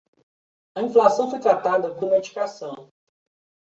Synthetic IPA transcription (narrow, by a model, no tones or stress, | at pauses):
ɐĩflasɐ̃w̃fojt̪ɾat̪ad̪ɐkõɾmed͡ʒikasɐ̃w̃